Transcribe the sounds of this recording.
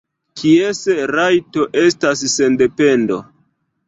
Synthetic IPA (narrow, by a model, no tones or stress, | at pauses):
kʰiesɾajto̞ʔe̞stasːe̞nde̞pe̞ndo̞̰